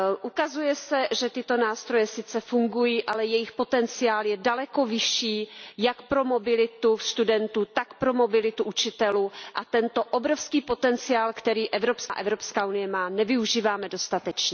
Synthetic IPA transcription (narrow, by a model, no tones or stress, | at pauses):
ʔukazujɛsɛʒɛt̪ɪt̪o̞naːst̪ɾo̞jɛsɪt͡sɛfuŋɡujiːʔalɛjɛjɪxpo̞t̪ɛnt͡sɪaːljɛdalɛko̞vɪʃiːjakpɾo̞mo̞bɪlɪt̪ust̪udɛnt̪ut̪akpɾo̞mo̞bɪlɪt̪uʔut͡ʃɪt̪ɛluʔat̪ɛnt̪o̞ʔobɾo̞fskiːpo̞t̪ɛnt͡sɪaːlkt̪ɛɾiːʔɛvɾo̞pskaʔɛvɾo̞pskaːʔunɪjɛmaːnɛvɪuʒiːvaːmɛdo̞st̪at̪ɛt͡ʃɲɛ